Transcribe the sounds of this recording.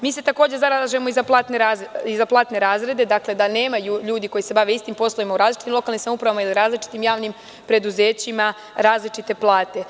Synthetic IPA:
miːse̞t̪ako̞ːd͡ʑezaɾalaʒemo̞izaplˠaːt̪neɾaizaplˠaːt̪ne̞ɾaːzɾe̞d̪e̞d̪akle̞d̪ane̞ːmajuʎuːd̪iko̞jise̞baʋe̞ist̪impo̞slˠoimauɾaːzlit͡ʃit̪imlo̞kalnimsamuːpɾaʋamailiɾaːzlit͡ʃi̥t̪imjaːʋnim | pɾe̞d̪uze̞ːt͡ɕima | ɾaːzlit͡ʃit̪e̞plˠaːt̪e̞

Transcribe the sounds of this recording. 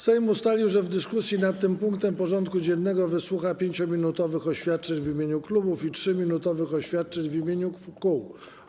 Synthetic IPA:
sɛjmust̪alʲiwʐɛvd̪ɘskusʲjinat̪ːɘmpuŋk̚t̪ɛmpɔʐɔnt̪kud͡ʑɛnːɛɡɔvɘswuxapʲjeɲt͡ɕɔmʲinut̪ɔvɘxɔɕfʲjat̪̚t͡ʂɛɲvʲimʲeɲuklubufitʂɘmʲinut̪ɔvɘxɔɕfʲjat̪̚t͡ʂɛɲvimʲjeɲukuw

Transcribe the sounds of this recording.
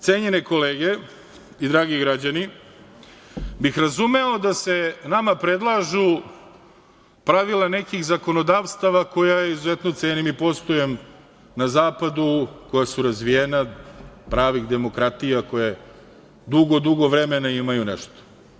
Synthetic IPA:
t̪seːɲeneko̞leːɡe | id̪ɾaːɡiɡɾad͡ʑani | bixɾazumeod̪ase̞namapɾe̞d̪lˠaːʒu | pɾaʋilˠanekixzako̞no̞d̪aːʋst̪aʋako̞jajeizuzet̪not̪senimipo̞st̪ojem | nazaːpad̪uko̞jasuɾazʋijenapɾaːʋixd̪e̞mo̞kɾat̪ijako̞je | d̪uɡod̪uɡoʋɾemenaimajunḛʃt̪o̥

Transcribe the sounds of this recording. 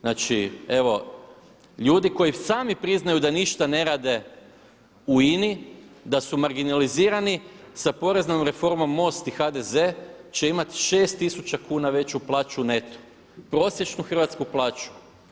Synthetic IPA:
naːt͡ʃie̞ʋo̞ | ʎuːd̪iko̞jisaːmipɾiznajud̪aniʃt̪ane̞ɾaːd̪e̞ | uinid̪asumaɾɡinaliziːɾani | sapo̞ɾe̞znomɾe̞fo̞ɾmo̞mːo̞st̪ixad̪e̞ze̞t͡ʃe̞imat̪i̥ʃe̞ːst̪isut͡ʃakuːnaʋe̞t͡ɕuplˠaːt͡ʃune̞t̪o̥ | pɾo̞sje̞t͡ʃnuxr̩ʋat̪skuplˠaːt͡ʃu̥

